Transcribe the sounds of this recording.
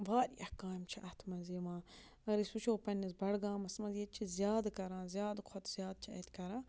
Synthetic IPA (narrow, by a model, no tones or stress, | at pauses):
baːɾiɐhkaːmt͡ʃʰiʔɐt̪ʰmɐnziːʋãː | ɐɾisut͡ʃʰoːpɐnːizbɐɽɡãːmɐsmɐzjet͡ʃʰizjaːd̪kɐɾãːzʲjaːd̪kʰɔt̪ʰz̥ʲjaːd̪̚t͡ʃʰiɐ̰t̪ʰkɐɾãː